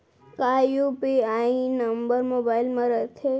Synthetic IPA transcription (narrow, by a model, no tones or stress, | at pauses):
kajupiaĩnəmbəɾmobailmãɾət̪ʰe